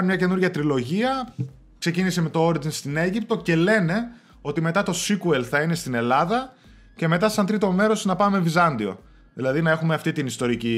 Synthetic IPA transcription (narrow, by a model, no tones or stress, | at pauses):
nmɲɐce̞nuɾʝɐt̪ɾilo̞ʝiɐ | kse̞cinise̞me̞t̪ooɾd̪inst̪ine̞ʝip̚t̪o̞ce̞le̞ne̞ | o̞t̪ime̞t̪ɐt̪o̞sikue̞lθɐine̞st̪ine̞lɐðɐ | ce̞me̞t̪ɐsɐnt̪ɾit̪o̞me̞ɾo̞snɐpɐmevizɐnd̪io̞̰ | ðilɐðinɐe̞xume̞ɐft̪it̪inist̪o̞ɾici